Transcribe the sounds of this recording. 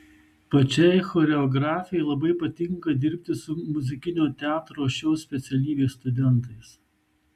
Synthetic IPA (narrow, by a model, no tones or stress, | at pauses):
pɐt͡ʃʲɛjxoːɾʲɛɔɡɾɑːfʲɪjɛɪlˠɐbɐɪpɐt̪ʲɪŋkɐd̪ʲɪɾʲpʲt̪ʲɪsʊmʊzʲɪkʲɪnʲoːt̪ʲɛɑːt̪ɾoːʃʲɛʊsʲpʲɛt̪sʲɛlʲiːʋʲeːst̪ʊd̪ʲɛnˑt̪ɐɪs